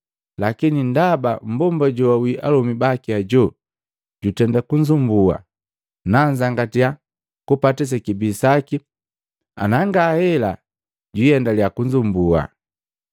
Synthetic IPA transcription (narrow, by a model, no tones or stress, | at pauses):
lakinindabam̩bɔmbaɟɔawiʔalɔmibakiaɟɔ | ɟutɛndakuɲzumbua̰ | naɲzaŋɡatija | kupatɛs̬ɛkibiːsaki | a̰naŋɡaːhɛla̰ | ɟwiɛndaljakuɲd͡ʒumbua̰